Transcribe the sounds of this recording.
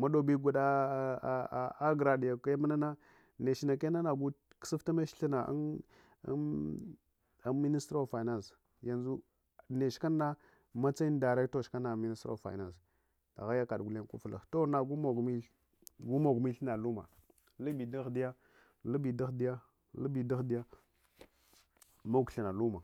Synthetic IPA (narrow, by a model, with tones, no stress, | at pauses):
ma˦do˨bi˦ɡʷu˨da˦ | a˦ɡɾa˨di˨ja˨ka˦ma˦na˦na˦ | ne˨ʃi˨na˨ke˦na˦na˨ɡu˦ | ksi˦fta˦ma˦ʃɬi˦na̰˨˦ | a˦mi˦ni˦stɾo˦˨fa˨i˨na˦ns | ja˦nzu˦ | ne˨ʃka˦nːa˦ | ma˦t͡sa˦i˦n˦da˨ɾa˦to˦˨ʃka˦na˨mi˦ni˦sto̰˦˨fa̰˨i˨na˦˨ns | ta̰˨ɣa˦ja˦ka˨ɗɡu˨le˦n˦ku˦fla̰˨xto˦na˦ɡu˦mo˨ɡmi˦ | ɡu˦mo˨ɡmi˦ɬna˨lu˦ma̰˨ | lu˦bi˨da˦xdi˦ja˦ | lu˦bi˨da˦xdi˦ja˦ | lu˦bi˨da˦xdi˦ja˦ | ma˦kɬi˨na˨lu˦ma˨